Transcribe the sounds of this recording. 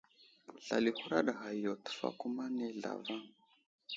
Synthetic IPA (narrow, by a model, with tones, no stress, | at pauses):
ɬa̰˨li˨hu˦ɾa˦ɗa˨ɦa˨i˨jɔ˨tu̥˨˦fa̰˦ku˦ma˦nɛ˦ɮa̰˨va˦ŋ